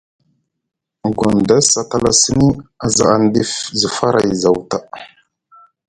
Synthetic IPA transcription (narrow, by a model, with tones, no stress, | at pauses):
ɡʷa˨nda˦sa˨ta˦la˦sə˦ni˦a˦za̰˨a˨n˦di˦fzə˨fa˦ɾʔa̰˨jza˨wta˦˨